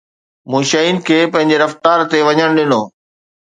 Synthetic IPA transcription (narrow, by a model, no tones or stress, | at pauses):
mũːʃɐiːnɪ̆kʰeːpɐ̃ɦɪ̃ɲd͡ʑeɾɐft̪aːɾt̪eʋɐɲəɽ̃ɗɪnoː